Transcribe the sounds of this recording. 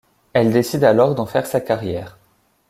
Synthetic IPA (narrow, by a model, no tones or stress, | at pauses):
ɛld̪esid̪alɔʁd̪ɑ̃fɛʁsakaʁjɛːʁ